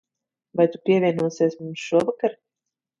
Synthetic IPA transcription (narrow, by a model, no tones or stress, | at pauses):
vajt̪upʲiɛvʲiɛnuɔsiɛsmumsʃuɔvakaɾ